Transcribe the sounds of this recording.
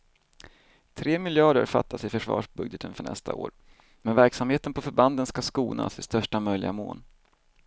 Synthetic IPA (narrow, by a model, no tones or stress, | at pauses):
t̪ʰɾeːmɪljɑːɖə̰ɾfa̰t̪ʰːasɪfœʂvɑ̰ːʂbɵɡd̪jət̪ʰənfœɳɛ̰st̪ʰa̰o̰ːɾ | mɛnvæɾksamheːt̪ənpʰɔfœɾband̪ənskaskuːnʔa̰sɪst̪œʂʈamœjlɪ̰ɡa̰mo̰ːn